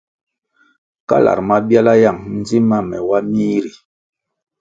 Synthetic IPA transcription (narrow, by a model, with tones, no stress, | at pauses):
ka̰˦la̰˨ɾma˦bja˦la˦ja˦˨ŋn̩˦d͡zi˦ma˦mɛ̰˨wa˦miː˦ɾi˨